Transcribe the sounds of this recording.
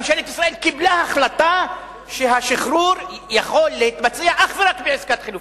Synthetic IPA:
mʃelet̪isʁae̞lkiblahaχlat̪a | ʃeɦaʃiχɾuɾjaχo̞lːeit̪mat͡siaʔaχveʁakbeʕezkat̪χiluf

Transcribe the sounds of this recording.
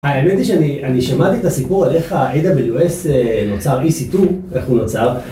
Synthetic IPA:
aemet̪iʃeaniʔaniʃamat̪iet̪asipuʁale̞χaʔed̪abeluesenot͡saʁisit̪uʔe̞χunot͡saʁ

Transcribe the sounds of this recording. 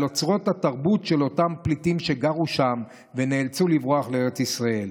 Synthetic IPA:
lo̞t͡sʁo̞thataʁbutʃe̞lo̞tamplitimʃe̞ɡaʁuʃam | ve̞neːlt͡sulivʁoaχleeʁet͡sisʁae̞l

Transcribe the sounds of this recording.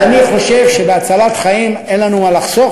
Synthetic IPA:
aniχo̞ʃe̞vʃebeat͡salat̪χaimenlanumalaχso

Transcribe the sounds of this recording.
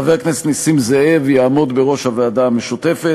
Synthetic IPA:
aveʁkneset̪nisimzeevejamo̞d̪beʁo̞ʃhaveadaːme̞ʃut̪efe

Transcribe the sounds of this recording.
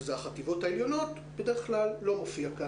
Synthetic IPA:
zeaχativo̞thaeljo̞no̞t | bedeeχklalːo̞ʁofiaka

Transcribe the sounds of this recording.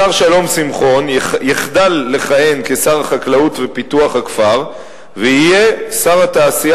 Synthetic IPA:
aʁʃalo̞msimχo̞njjiχd̪alːe̞χajenke̞saʁaχaklautvepit̪uaχakfaʁ | vehije̞saʁat̪aːsia

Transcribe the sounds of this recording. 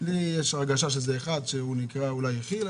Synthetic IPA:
lijeʃaɡaʃaʃ̬ezeːχad̪ʃeunikʁaulajeχil

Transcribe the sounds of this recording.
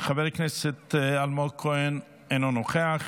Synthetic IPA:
χavɛɾknɛsɛt̪almokʰoɛn | enonoχeaχ

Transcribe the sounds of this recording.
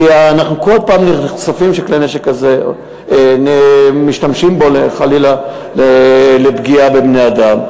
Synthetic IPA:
aːnaχnuko̞lpaːmniχsafimʃekleneʃekːaze | nemiʃtamʃimbo̞leχalila | lelebɡiabebnejad̪am

